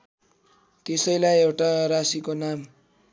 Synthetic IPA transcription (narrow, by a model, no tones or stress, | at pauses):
t̪esʌjlajewʈaɾasikonam